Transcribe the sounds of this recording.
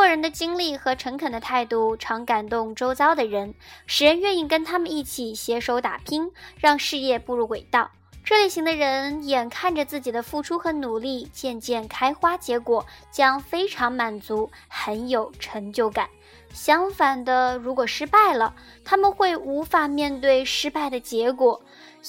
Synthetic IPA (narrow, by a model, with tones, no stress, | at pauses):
wɔ˥˩ɻə˧˥nd̪ə˧t͡ɕi˥ŋli˥˩xɤ˧˥ʈ͡ʂʰɤ˧˥ŋkʰə˨˩nd̪ə˦t̪ʰa˥˧ɪt̪u˥˩ʈ͡ʂʰɑ˧˥ŋka˨˩nt̪ʊ˥˧ŋʈ͡ʂo˥ʊt͡sɑ˥ʊd̪ə˨ɻə˧˥nʂɻ̩˨˩ɻə˧˥nɥɛ˥˧ni˥˩ŋkə˥nt̪ʰa˥mə˨ni˥˩t͡ɕʰi˨˩ɕjɛ˧˥ʂo˧˥ʊt̪a˨˩pʰi˥ŋɻɑ˥˧ŋʂɻ̩˥˧jɛ˥˧pu˥˧ɻu˥˩we˨˩ɪt̪ɑ˥˩ʊ | ʈ͡ʂʰɤ˥˧li˥˩ɕi˧˥ŋd̪ə˧ɻə˧˥njɛ˨˩nkʰa˥˩nʈ͡ʂə˩t͡sɹ̩˥˩t͡ɕi˨˩d̪ə˦fu˥˩ʈ͡ʂʰu˥xɤ˧˥nu˨˩li˥˩t͡ɕjɛ˥˧nt͡ɕjɛ˥˩nkʰa˥ɪxwa˥t͡ɕjɛ˧˥kwɔ˨˩˦t͡ɕjɑ˥ŋfe˥ɪʈ͡ʂʰɑ˧˥ŋma˨˩nt͡su˧˥ | xə˧˥njo˨˩ʊʈ͡ʂʰɤ˧˥ŋt͡ɕjo˥˩ʊka˨˩˦n | ɕjɑ˥ŋfa˨˩nd̪ə˧ɻu˧˥kwɔ˨˩ʂɻ̩˥pa˥˩ɪlə˩ | t̪ʰa˥mə˨nxwe˥˩ɪu˧˥fa˨˩mjɛ˥˧nt̪we˥˩ɪʂɻ̩˥pa˥˩ɪd̪ə˩t͡ɕjɛ˧˥kwɔ˨˩˦